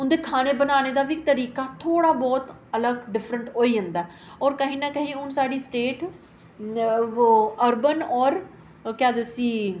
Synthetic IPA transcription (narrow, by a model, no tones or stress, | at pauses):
ʊnd̪eːkʰaːneːbənaːneːd̪aːʋiːt̪əɾiːkaːt̪ʰoːɽaːbɔːt̪ | ələɡɖɪfʰɾəɳʈoːiːɦə̃nd̪aː | ɔːɾkəɦĩːnãːkəɦẽʊnsaːɖiːsʈeːʈ | əɾbənɔːɾ | kjaːd̪esiː